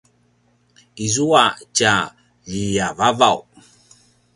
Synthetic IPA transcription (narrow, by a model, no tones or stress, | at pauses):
izuaca | ʎijavavaw